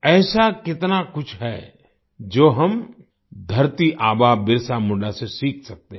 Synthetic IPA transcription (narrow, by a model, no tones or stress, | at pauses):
ɛːsakɪt̪nakʊt͡ʃʰɦɛː | d͡ʒoːɦɐm | d̪ʱɐɾt̪iʔaːbabɪɾsamʊɖasesiːk̚ʰsɐk̚t̪eɦ